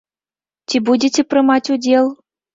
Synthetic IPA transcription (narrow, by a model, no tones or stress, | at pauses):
tʲibudʲetʲĕprɤ̆mɑtʲudʲelˠ